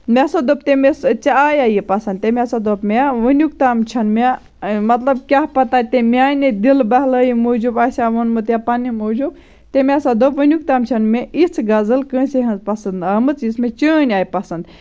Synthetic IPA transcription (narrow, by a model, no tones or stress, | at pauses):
mʲesɐd̪op̚t̪emest͡ʃajajipɐsɐnd̪̚t̪emʲasɐd̪opmeʋənʲjukt̪aːmt͡ʃʰɐnme | mɐt̪lɐb̚kʲaɦpɐt̪at̪emʲaːjnid̪ilbɐɦləjimod͡ʒubaːsʲaʋonmɨt̪japanimod͡ʒub̚ | t̪emʲasɐd̪opʋənjuk̚t̪amt͡ʃʰɐnmeit͡sʰɡɐzɨlkə̃ːseɦɐpɐsɐnd̪ɦɐmɨt͡sismet͡ʃəːnʲaːjipɐsɐnd̪